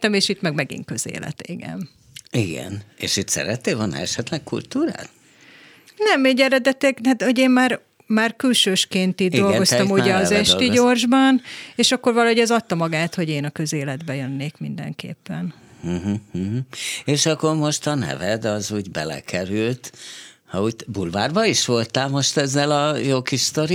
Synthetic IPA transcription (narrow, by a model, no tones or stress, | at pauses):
ɛmeːʃit̪mɛɡmɛɡḭŋkøzḛːlɛ̰t̪iɡɛ̰n | iɡɛ̰nḛːʃit̪sɛ̰ɾɛt̪ːeːlvolnɛ̰ɛʃɛt̪lɛk̚kṵlt̪uːɾa̰ːt̪ | nɛmeːɟɛɾɛd̪ɛt̪ɛɡ̪at̪hoɟeːmmaːr | maːrkylʃøːʃkeːnt̪iːd̪d̪o̞lɡo̞st̪ɒmuɟɛɒzɛʃt̪iɟo̞rʒbɒneːʃɒkːo̞rvɒlɒɦo̞ɟɛzɒt̪ːɒmɒɡaːt̪ho̞ɟeːnɒkø̞zeːlɛd̪bɛjø̞nːeːkmind̪ɛ̰ŋkḛːpːɛn̩ | ɦ̩ɦ̩eːʃɒkːo̞rmo̞ʃt̪ɒnɛ̰vɛd̪ɒzuːɟbɛ̰lɛ̰kʰɛɾylt̪ | hɒuːbulvaːrbɒiʃʋo̞lt̪aːlmo̞ʃt̪ɛzːɛlɒjokiʃt̪oɾ